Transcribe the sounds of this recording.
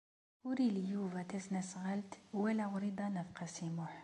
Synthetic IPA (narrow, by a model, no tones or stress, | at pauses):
uɾilijuvæt̪æsnæsɣəlt̪wælæɣɾid̪ˤɑnəfqɑsimʊħ